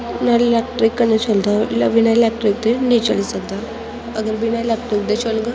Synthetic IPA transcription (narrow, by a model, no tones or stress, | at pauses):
nallakʈɾikːənət͡ɕʰold̪alʋinalak̚ʈɾik̚d̪enet͡ɕə̰lisəɡ̚d̪a | əɡəɾʋinajlak̚ʈɾikd̪et͡ɕʰolɡə